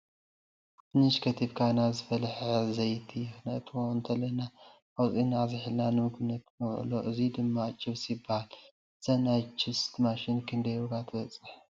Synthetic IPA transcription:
tɨniʃkʰɐt̪ʰibkʰajnazɨfɐlħazɐjt̪ʰijɪxnɐt̪ʰwoɨnt̪ʰɐlɐna | ʔawt͡sʼinazɨħɨlnanɨmɨɡnɐt̪nɐw̰ʕɨ̰loʔɨzid̪ɨmːat͡ʃʼːɨβsjɪbahal | z̥ɐnajt͡ʃʰɪst̪maʃɪnkʰɨnd̪ɐjoɡat̪ʰɨbɐt͡sʼɨħ

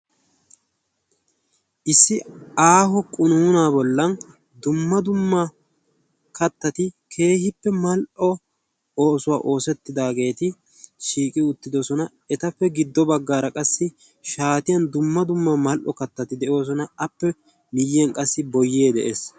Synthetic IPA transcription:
ʔɪsːɪaːɦɔkʼʊnuːnaːbɔlːɐn | d̪ʊmːɐd̪ʊmːɐ | kɐt̪ːɐt̪ɪkʰe̞ːhɪpːɛmɐlʔɔ | o̞ːsʊwa̰ːʔo̞ːsɛt̪ːɪd̪aːɡe̞ːt̪ɪ | ʃiːkʼɪʊt̪ːɪd̪ɔsɔnɐ | ɛt̪ɐpːɛɡɪd̪ːɔbɐɡːaːɾɐkʼɐsːɪ | ʃaːt̪ɪjɐnd̪ʊmːɐd̪ʊmːɐmɐlʔɔkɐt̪ːɐt̪ɪd̪ɛʔo̞ːs̬ɔnɐɐpːɛ | mɪjːɛnkʼɐsːɪbɔjːeːd̪ɛ̰ʔeːs

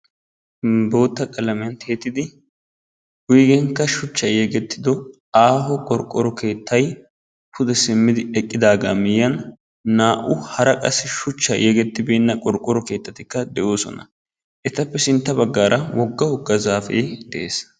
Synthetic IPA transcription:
bo̞ːt̪ːɐkʼɐlɐmɛjɐnt̪ʰe̞ːt̪ːɪd̪ɪ | wʊjɡɛŋkːɐʃʊt͡ʃːɐjɛɡɛt̪ːɪd̪ɔ | aːhɔkʼɔɾkʼːɔɾɔke̞ːt̪ʰːɐj | pʰʊd̪ɛsɪmːɪd̪ɪɛkʼːɪd̪aːɡamɪjɐnː | aːʔʊhɐɾɐkʼɐsːɪʃʊt͡ʃːɐ̰jɛɡɛt̪ːɪbeːnːɐkʼɔɾkʼːɔɾɔke̞ːt̪ːɐt̪ɪkːɐd̪ɛʔo̞ːsɔ̰nɐ̰ | ʔɛt̪ɐpːɛsɪnt̪ːɐbɐɡːaːɾɐwɔɡːɐhɔɡːɐzaːfḛːd̪̥ɛʔeːs

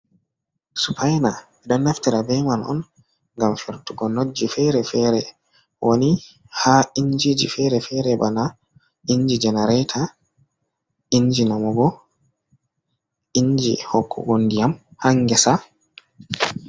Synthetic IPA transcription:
supʰajna | ɛdɔnːaftiɾabɛmanɔ̰n | ŋɡamfɛɾtuɡɔnod͡ʒifɛɾɛfɛɾɛ | wʔoni | haiɲd͡ʒid͡ʒḭfɛɾɛfɛɾɛbana | iɲd͡ʒid͡ʒɛnɛɾɛtʰa | iɲd͡ʒinamɔɡɔ | iɲd͡ʒḭhɔkʰːɔ̰ɡondijamhaŋɡɛsa

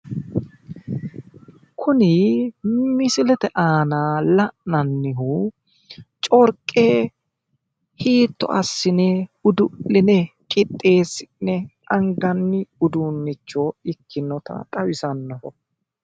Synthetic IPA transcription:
kʰʊnɪ | mɪsɪlɛt̪ɛʔaːnaːlɐʔnɐnːɪhuː | t͡ʃʼɔɾkʼːeː | hiːt̪ːɔ̰ʔɐsːɪnɛʊd̪ʊlːɪnɛ | kʼɪt̪ʼːe̞ːsɪnɛʔɐŋɡɐnːɪʊd̪uːnːɪt͡ʃːoːɪkʰːɪnːɔt̪ɐ̰t̪ʼɐwɪsɐnːɔhɔ

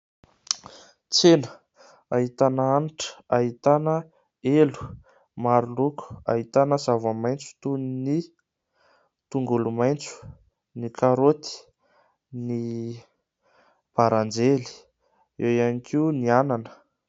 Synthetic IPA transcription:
t͡senə̥ | aɦit̪anaaniʈ͡ʂə̥aɦit̪anə | elu̥ | maɾuluku̥a̰ɦit̪anəsavəmajnt͡su̥t̪unni | t̪uŋɡulumajnt͡su̥ | nikʰaɾot̪i̥ | ni | b̥aɾand͡zeli̥ | ewjanikʰiuniananə̥

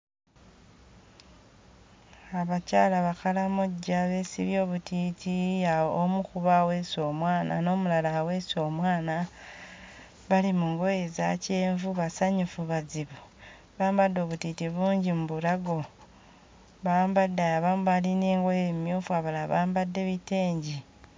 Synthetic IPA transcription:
aβacaːlaβakalamoɟːaβe̞siβjo̞ːβutʰitʰiaomukuβawe̞ːso̞ːmwaːnʔa̰no̞ːmulalawe̞so̞ːmwaːna | βalimuŋɡojeza̰ce̞ːɱvuβasaɲufuβaziβo | βaːmbadːo̞ːβutitiβuːɲɟimuβulaɡo̞ | βaːmbadːaaβaːmβalineːŋɡwejemjuːfwaβalaβaːmbadːe̞βiteːɲɟi

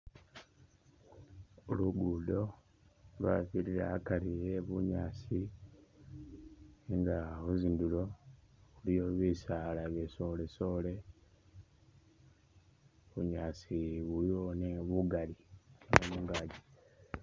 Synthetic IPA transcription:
oluɡudo̞ | lwafiɾiɾaakalijeβuɲaːsi | ŋɡaβuzindulo̞βulijoβisaːlaβesole̞so̞ːle̞ | βuɲaːsiβulioneβuɡaliomuːŋɡaːɟi

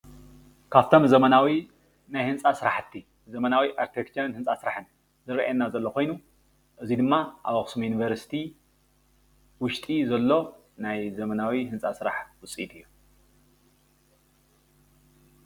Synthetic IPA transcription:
kʰaβt̪ʰo̞mzɐmɐnawi | najhɨnt͡sʼasɨɾaħt̪ʰːi | zɐmɐnawiʔaɾt̪ʰekt͡ʃɐnhɨnsʼasɨɾaħɨn | zɨɾʔa̰ɛnːazɐlːo̞kʰo̞jnu | ʔɨzid̪ɨmːaʔa̰βɐxʼɨ̥sumjunivɐɾsi̥t̪ʰi | wʊʃt̪ʼizɐlːo̞ | najzɐmɐnawihɨnt͡sʼasɨɾaħwʊt͡sʼḭt̪ʰɨjːu

